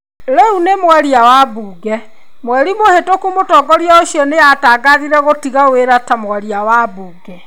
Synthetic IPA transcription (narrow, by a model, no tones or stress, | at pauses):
ɾɛunemwaɾiawabuːɡɛ | mwɛɾimohetokumotɔːɡɔɾiaoɕjɔneataːɡaðiɾɛɣotiɣaweɾatamwaɾiawabuːɡɛ